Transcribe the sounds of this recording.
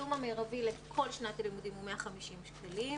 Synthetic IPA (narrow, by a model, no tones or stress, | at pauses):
umameʁavilekʰo̞lʃnat̪alimud̪imumeaχamiʃimʃkalim